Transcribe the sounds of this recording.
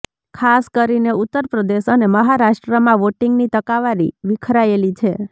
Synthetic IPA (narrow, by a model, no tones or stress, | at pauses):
kʰaskəɾineut̪ːəɾpɾəd̪eʃəneməɦaɾaʃʈɾəmãʋoʈiŋɡnit̪əkaʋaɾḭʋikʰɾaelit͡ʃʰe